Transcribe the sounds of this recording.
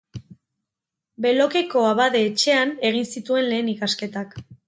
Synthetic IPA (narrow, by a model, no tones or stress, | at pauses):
be̞lo̞ke̞ko̞aβaðe̞ːt͡ʃe̞ane̞ɣ̞insit̪ue̞nle̞ːnikaske̞t̪ak